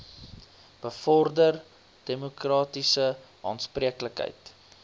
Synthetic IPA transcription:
b̥əfɔrdər | d̥emukrɑːtisə | ʔɑ̰ːntspriəkləkɦə̰jt

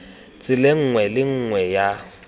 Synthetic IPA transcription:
t͡sʼɪleŋ̩ŋwɛlɪŋ̩ŋwɛja

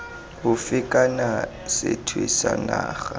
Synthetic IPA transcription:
hʊfɪkʼana | sɪ̰tʰwɪsanaːɣa

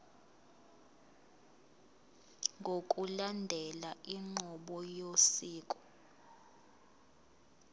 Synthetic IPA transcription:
ŋɡʱokʼulandʱɛlaʔiŋ͡ǃʱɔɓɔjosiːkʼɔ̥

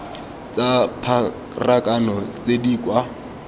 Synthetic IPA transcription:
t͡sʼapʰa | rakʼanɔt͡sʼedikʼwa

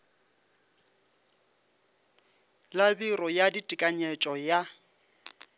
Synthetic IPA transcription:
labirɔjaditʼikʼaɲɛt͡ʃʼɔja

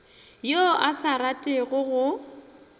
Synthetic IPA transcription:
joʔasaɾatʼɪɣʊɣʊ

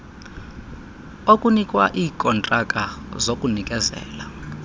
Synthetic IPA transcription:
okʼunikʼwa̰ʔiːkʼɔntʼakʼazokʼunikʼɛzɛ̰ːla

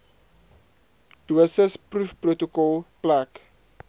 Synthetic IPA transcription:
d̥uəsəsprufprotokɔlplak

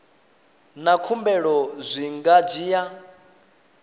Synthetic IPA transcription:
nakʰumbɛɺɔzʷiŋɡad͡ʒiːja

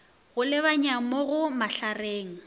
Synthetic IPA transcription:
ɣʊlɪβaɲamɔɣʊmaɬareːŋ̩

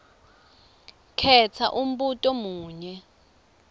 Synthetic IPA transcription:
kʰɛt͡sʰaʔum̩ɓutʼɔmuːɲɛ

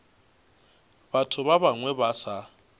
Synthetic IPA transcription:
b̥atʰʊβaβaŋwɛbasa

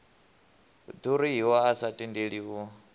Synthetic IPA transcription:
d̪uɾiɦiwɔasatʼindeɺiwɔ

